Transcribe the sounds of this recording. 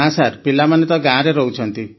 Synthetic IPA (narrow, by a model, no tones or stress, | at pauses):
ãsaɾpilamanet̪ɔɡãːɾeɾɔɦut͡ʃʰɔnt̪i